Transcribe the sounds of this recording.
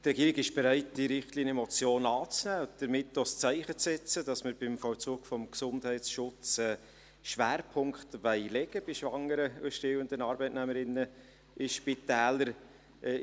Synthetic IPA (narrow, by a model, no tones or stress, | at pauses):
t̪rɛɡiːɾɪɡɪʃb̥ɛɾæɪtd̥iɾɪχtliːnimɔt͡sjoːnɑːt͡snæːd̥əɾmɪtːost͡sæɪχət͡ssɛt͡səd̥ɑsməɾb̥ɪmfɔlt͡suːɡ̥fɔmksʊndhɛɪtsʃʊt͡sɛː | ʃʋæːɾpʰʊŋkχtʋɛɪlɛɡ̥əbɪʃʋɑŋːəɾəʉʃtewəndənɑːɾbɛɪtnæməɾɪnːə | ʔɪʃpitæːləɾ